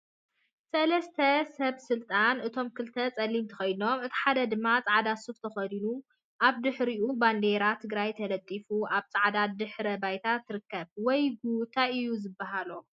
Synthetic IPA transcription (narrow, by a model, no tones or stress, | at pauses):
sɐlɐst̪ʰɐsɐβsɨlt̪ʼanɨt̪ʰo̞mkʰɨlt̪ʰɐt͡sʼɐlːimt̪ʰɐ̥xɐjno̞mɨt̪ʰi̥ħad̪ɐd̪ɨmːat͡sʼaʕd̪asuft̪ʰɐxɐd̪inu | ʔaβd̪ɨħɾiʔuband̪eɾat̪ʰːɨɡɾajt̪ʰɐlɐt̪ʼːifuaβt͡sʼaʕd̪ad̪ɨħɾɐbajt̪ʰat̪ʰːɨɾɨkːɐβwɔjɡut̪ʰaɨjuzɨbːaɦalo